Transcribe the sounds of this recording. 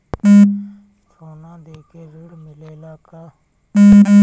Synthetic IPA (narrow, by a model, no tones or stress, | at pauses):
t͡ʃʰoːnãːd̪eːkeːɾəɽmɪleːlaːkaː